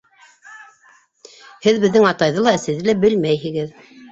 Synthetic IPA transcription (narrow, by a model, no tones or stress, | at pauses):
hɘðbɘ̆ðːɘŋɑt̪ɑjðɤlˠɑɘ̆sɘ̆ðɘlæbɘlmæjɦɘ̆ɡɘð